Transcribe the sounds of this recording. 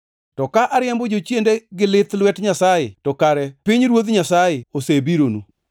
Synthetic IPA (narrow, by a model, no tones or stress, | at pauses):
tɔkaʔaɾɪɛmbod͡ʒot͡ʃjendeɡɪlɪt̪lwɛtɲasajɪtɔkaɾɛpiɲɾwot̪ɲasajɪosebiɾonṵ